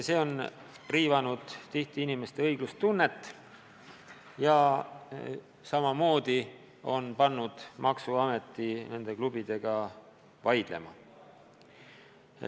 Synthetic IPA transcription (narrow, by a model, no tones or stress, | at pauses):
se̞ːo̞n | riːvɑnud̪̥t̪iht̪iinime̞st̪e̞ɤjɡ̥lust̪unːe̞t̪ːˑ | jɑ | sɑmɑmo̞ːd̪̥i | o̞npɑnːud̪̥mʔɑksuɑme̞t̪ːˑine̞nd̪̥e̞klub̥id̪̥e̞ɡ̥ɑ | vɑjd̪̥le̞̰mɑ̰